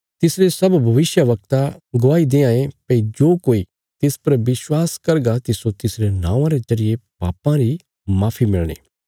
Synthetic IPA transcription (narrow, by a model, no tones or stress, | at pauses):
t̪ɪsɾesɐbbʱɐʋɪsjəʋɐk̚t̪aɡʊʋaːid̪eːãːẽpeid͡ʒoːkoːi | t̪ɪspɐɾʋɪswaːskɐɾɡat̪ɪsot̪ɪsɾenã̰ːãɾezɐɾɪjepa̰ːpãɾi | maːpʰimɪɭɽ̃ḛ̃ː